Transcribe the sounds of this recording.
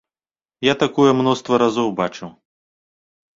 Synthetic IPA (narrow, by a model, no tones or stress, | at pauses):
jat̪akɔjɛmnɔst̪vɐɾazɔwbat͡ʂɨw